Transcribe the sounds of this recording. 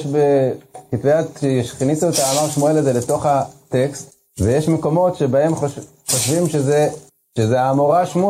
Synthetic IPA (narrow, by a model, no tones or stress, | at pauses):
ʃbekitveatʃeʃχnisuetaːmaʁʃmuelazeleto̞χate̞kst | vejeʃmeko̞mo̞tʃebae̞mχoʃ | χoʃvimʃeze | ʃezeaːmoʁaʃmu